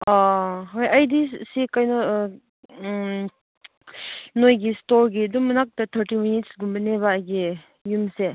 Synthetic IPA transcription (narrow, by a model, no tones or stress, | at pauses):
aɦojajdisikajnɐ | nojɡistoɾɡiɐdumɐnak̚tɐtʰəɾtiminitsɡumbɐneβaːjɡi | jumse